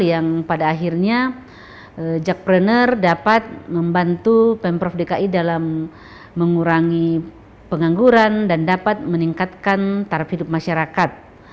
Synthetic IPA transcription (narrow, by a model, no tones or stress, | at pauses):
jaŋpadaːɦirɲa | əd͡ʒak̚pɾɛnərdapat̪̚məmbant̪upɛmpɾɔfdekaʔidalamː | əŋuɾaŋi | pəŋaŋɡuɾandandapat̪̚məniŋkat̪̚kant̪aɾaphidʊp̚maʃaɾakat̪̚